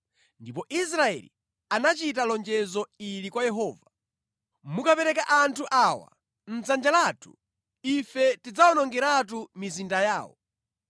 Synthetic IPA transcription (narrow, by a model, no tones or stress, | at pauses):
ndipɔʔis̬ɾaɛ̰lḭ | anat͡ʃitalɔnd͡ʒɛzɔilikwajɛɦɔːva | mukapɛɾɛkaʔantʰuʔawa̰ | n̩zand͡ʒalaːtʰu̥̰ | ifɛtid͡zawɔnɔŋɡɛɾat̬umizindajaːwɔ̰